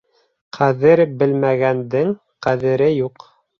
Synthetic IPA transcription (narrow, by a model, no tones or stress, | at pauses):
qʰæðɘɾbɘlmæɡænd̪ɘŋ | qæðɘ̆ɾɘjuq